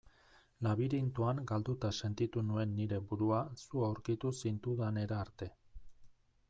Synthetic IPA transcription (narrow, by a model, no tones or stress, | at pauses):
laβiɾint̪uaŋɡald̪ut̪ase̞nt̪it̪unue̞nːiɾe̞buɾuasuawɾkit̪usint̪uðane̞ɾaːɾt̪e̞